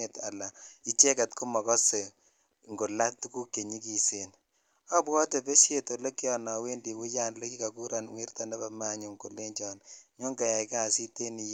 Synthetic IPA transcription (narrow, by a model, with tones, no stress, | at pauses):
e˨ta̰˨la˨i˦t͡ʃe˦ka˨tku˦mɔ˨kɔ˦se˨ | ŋɡo˨la˦tu˦ku˦kːe˨ɲi˦ki˨se˨n | a˦bwɔ˦te˨pe˦sje˨to˨lo˦ki˦jɔ˨na˨we˦ndi˨wu˦ja˦nlo˦ki˦ka˨ku˦ɾa˨nŋwi˦rta˨na˦ba˨ma˦ɲu˨ŋko˨le˦ɲt͡ʃɔ˦nɲo˦ŋɡa˨ja˨ika˦˨si˦te˦ni˨˦